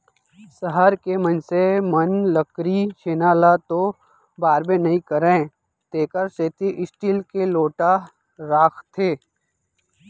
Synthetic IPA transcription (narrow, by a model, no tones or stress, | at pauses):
sɐɦəɾkemɐnsemənləkɾiʃeːnaːlat̪o | baːɾbẽnɐɦĩkɐɾẽː | t̪eːkəɾseːt̪iʔɪsʈiːlkeloːʈa | ɾaːkʰt̪ʰeː